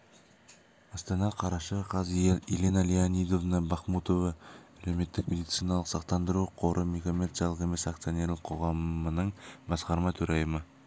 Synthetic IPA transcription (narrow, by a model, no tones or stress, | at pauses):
ɑst̪ɑnɑqʰɑɾɑʃəqʰɑzelʲenalianid̪o̞vnəbɑχmut̪ovɑæleme̞t̪ːɪkmʲe̞d̪it̪sijnɑlˠəqsɑq̚t̪ɑnd̪əɾuqʰo̞ɾʔəmʲekʲomʲet̪sijɑlˠəqe̞me̞sak̚t̪sio̞nʲe̞ɾlɪq̚ʰo̞ʁɑmənəɴbɑsqɑɾmɑt̪ʰɵɾɑjəmə